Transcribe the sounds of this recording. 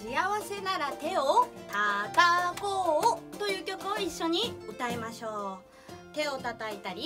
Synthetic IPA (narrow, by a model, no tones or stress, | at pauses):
iaβase̞naɾat̪e̞ot̪at̪akoːt̪o̞jɯ̟ːkʲo̞kɯ̟oiɕːo̞ɲ̟iɯ̟t̪aemaɕo̞ː | t̪e̞o̞t̪at̪ait̪aɾʲi